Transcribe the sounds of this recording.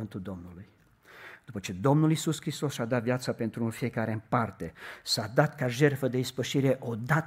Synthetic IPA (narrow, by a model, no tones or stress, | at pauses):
ɨnt̪uld̪o̞mnuluj | d̪̥upət͡ʃe̞d̪o̞mnulisuskɾist̪o̞sʃad̪at̪vjat̪səpe̞nt̪ɾunfie̞kaɾe̞ɨmpart̪e̞sad̪at̪kaʒe̞rfəd̪e̞ispəʃiɾe̞ʔo̞d̪at̪